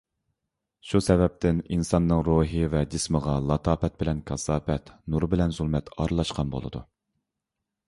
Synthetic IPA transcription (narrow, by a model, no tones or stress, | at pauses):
ʃusɛvɛp̚t̪ʰɪninsɑnːɨŋɾoɦɨvɛd͡ʒɪsməʁɑlˠɑt̪ʰɑːfɛt̪̚bɪlɛnkʰɑsɑːfɛt̪nuɾbɪlɛnzulˠmɛt̪ʰɑ̰ɾɨlˠɑʃqɑnbo̰lˠɨ̰d̪ṵ